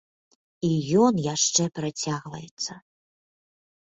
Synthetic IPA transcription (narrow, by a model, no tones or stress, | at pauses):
ijɔnjaʂt͡ʂɛpɾat͡sʲaɣvɐjɛt̪sːɐ